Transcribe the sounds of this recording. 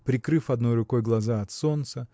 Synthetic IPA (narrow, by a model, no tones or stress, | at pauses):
pɾʲɪkɾɨfɐd̪nojrʊko̞jɡlˠɐzaɐt̪so̞nt̪sə